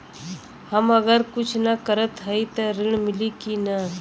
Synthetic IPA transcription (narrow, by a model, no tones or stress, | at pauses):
həmɐɡəɾkʊt͡ʃʰnɐkəɾət̪ɦəit̪ɐɾɪɳ̃mɪlikina